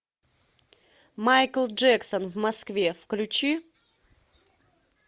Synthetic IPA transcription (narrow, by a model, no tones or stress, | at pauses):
majkəlˠʐɛksənvmɐskvʲefklʲʉt͡ɕi